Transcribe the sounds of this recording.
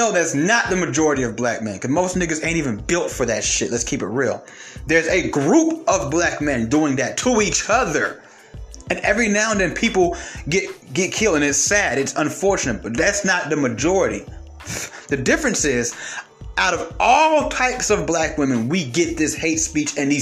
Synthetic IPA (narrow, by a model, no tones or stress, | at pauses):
noʊðætsnət̪̚ðɨmɨd͡ʒɔɹɨɾiʌvblæk̚mɛ̃nkʌzmoʊstnɪɡəzẽɪ̃tivɨ̃nbɪlˠtfə˞ðɨtʃɪtˡlətskʰipɨt̚ɹilˠ | ðə˞zɨɡɹupʌvblæk̚mɛ̃nduɪ̃ŋðɨtʰəit͡ʃʌðə˞ | ɨ̃nɛvɹinãʊ̃nðɨ̃npʰipl̩ˠɡɛt̚ɡ̥ɛt̚kʰɪlˠɨ̃nɨtsæɾɨtsə̃ɱfɔɹt͡ʃɨnɨt̚b̥ʌt̪̚ðætsnət̪̚ðɨmɨd͡ʒɔɹɨɾḭ | ðɨdɪfɹɨ̃nsɪz | ʔaʊɾʌvɔlˠtʰaɪpsʌvblækwɪ̃mɨ̃nwiɡɛt̪̚ðɪsheɪtspit͡ʃɨ̃nði